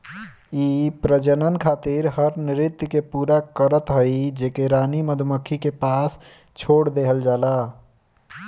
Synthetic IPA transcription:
ipɾəd͡ʒənənkʰat̪iɾɦəɾniɾit̪ːkepuɾakəɾət̪ɦəjd͡ʒekeɾaniməd̪ʱməkʰːikepas | t͡ʃʰoɽd̪eɦəld͡ʒala

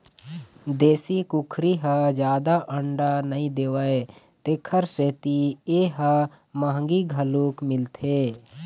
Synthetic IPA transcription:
d̪eːsikʊkʰɾiɦəd͡ʒjaːd̪aʔə̃ɳɖanəĩd̪eːwae | t̪eːkʰəɾseːt̪ieːɦə | mãːŋɡiɡʱəluːkmɪlt̪ʰeː

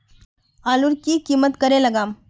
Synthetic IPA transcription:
aːluɾkikiːmət̪kəɾeləɡaːm

